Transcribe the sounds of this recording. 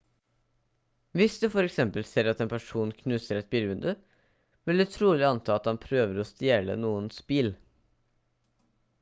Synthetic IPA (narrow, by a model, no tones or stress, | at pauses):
ʋɪsd̪ʉfɔɾɛksɛmpəlseːɾɑt̪eːnpʰæʂuːnkʰnʉːsəɾɛt̪̚biɾʉnd̪ʉ | ʋɪld̪ʉt̪ʰɾuːlɪɑnt̪ʰɑːɑt̪hɑnpʰɾøːʋəɾɔst̪eːɭə̰nuːənspiːl